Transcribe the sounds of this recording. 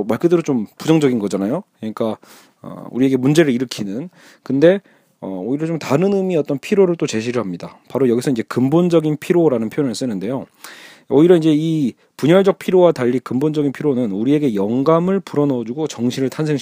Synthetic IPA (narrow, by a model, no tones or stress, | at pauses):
maɭk͈ɯdɯɾot͡ɕompud͡ʑʌŋd͡ʑʌɡinɡʌd͡ʑanajokɯɲik͈a | ʌ̰ṵɾie̞ɡe̞mund͡ʑe̞ɾɯɭiɾɯkʰinɯn | kɯnde̞ | ʌ̰oiɾʌt͡ɕomtaɾɯnɯmiʌt͈ʌnpʰiɾoɾɯɭt͈ot͡ɕe̞ɕʰiɾɯɭɦamɲidapaɾojʌɡisʰʌind͡ʑe̞kɯmbond͡ʑʌɡinpʰiɾoɾanɯnpʰjojonɯɭs͈ɯnɯnde̞jo | ʌiɾjʌind͡ʑe̞i | puɲʌɭd͡ʑʌk̚pʰiɾowataʎːikɯmbond͡ʑʌɡinpʰiɾonɯnuɾie̞ɡe̞jʌŋɡamɯɭpuɾʌnʌd͡ʑuɡot͡ɕʌŋɕʰiɾɯɭtʰansʰeŋɕ